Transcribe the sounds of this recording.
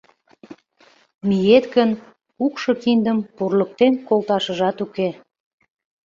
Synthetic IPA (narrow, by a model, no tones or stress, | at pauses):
mijet̪ɡən | ukʃɤkind̪əmpurlək̚t̪enkolt̪ɑʃəʒɑt̪uke